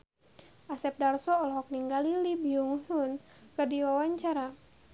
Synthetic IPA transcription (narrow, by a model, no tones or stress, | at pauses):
ʔasɛp̚darsɔɔlɦɔk̚niŋɡalilibiuŋɦun | kɨrdiwawaɲt͡ʃaɾa